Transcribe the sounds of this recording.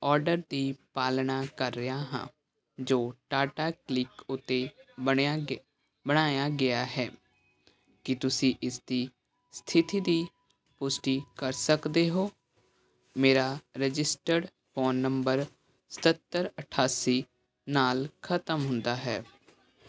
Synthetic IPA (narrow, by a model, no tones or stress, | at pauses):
ɔːɾɖəɾd̪iːpaːlnaːkəɾːəjaːɦã̰ː | d͡ʒoːʈaːʈaːklɪkʊt̪ːeː | bəɽ̃aːjaːɡɪaːɦɛː | kɪt̪ʊsĩːʔɪsd̪iː | st̪ʰɪt̪iːd̪iː | pʊsʈiːkəɾsəkd̪eːɦoː | meːɾaːɾəd͡ʒɪsʈəɖ | foːnːəmbəɾ | sə̥t̪ət̪ːəɾəʈʰaːsiː | naːlkʰət̪əmɦʊ̃nd̪aːɦɛ̰ː